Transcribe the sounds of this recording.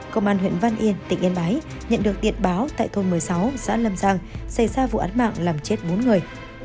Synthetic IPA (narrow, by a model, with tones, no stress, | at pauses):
kə˧ŋ͡mʔaː˧nɦwḭ˧˨nva˧nʔi˧ənt̪ï˧˩ŋ̟ʔi˧ənɓaː˨˦j | ɲə̰˧˨nɗɨ˨˩ək̚ɗḭ˧˨ənɓaː˨˦wt̪a̰ː˧˨jt̪ʰo˧nmɨ˨˩əjsa˨˦wza̰ː˧˥lə˧mzaː˧ŋsa˧˩jzaː˧vṵ˧˨ʔaː˨˦nma̰ː˧˨ŋlaː˨˩mt͡ɕe˦˥t̚ɓo˨˦nŋɨ˨˩əj